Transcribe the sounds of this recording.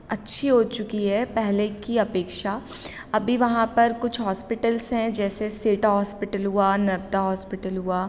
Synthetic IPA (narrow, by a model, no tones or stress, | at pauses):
ɐtːʃʰiɦoːt͡ʃʊkiɦɛːpɛɦlekiɐpeːkʃa | ɐbʱiʋɐɦãpɐɾkʊt͡ʃʰɦɔːspɪʈəlsɦɛ̃d͡ʒɛːseseːʈaɦɔːspɪʈəlɦuaːnɐb̚t̪aɦɔːspɪʈəlɦuaː